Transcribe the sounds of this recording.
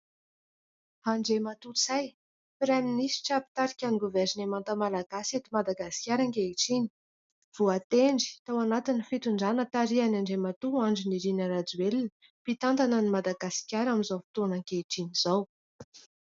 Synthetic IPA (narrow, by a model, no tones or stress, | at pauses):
haɳɖ͡ʐemat̪ut͡saj | fiɾaminisi̥ʈ͡ʂapi̥t̪aɾikʲaniɡuvɛɾinemant̪əmalaɡasat̪imad̪aɡasi̥kʲjaɾaŋkeiʈ͡ʂini̥ | v̥uat̪eɳɖ͡ʐi̥t̪awanat̪inifit̪uɳɖ͡ʐanət̪aɾianaɳɖ͡ʐemat̪uaɳɖ͡ʐiniɾinaɾad͡zuelinə | pit̪ant̪anənimad̪aɡasi̥kʲjaɾamizawfi̥t̪onaŋkeiʈ͡ʂiniz̥aw